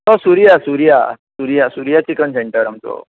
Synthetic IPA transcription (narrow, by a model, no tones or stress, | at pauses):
t̪osuɾijasuɾija̰suɾijasuɾijat͡ɕikənseɳʈəɾamt͡so̰